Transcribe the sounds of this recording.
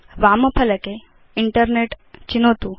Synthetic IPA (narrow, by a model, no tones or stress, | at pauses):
ʋaːmɐpʰɐlɐke | iɳʈəɾneʈt͡ɕinoːt̪u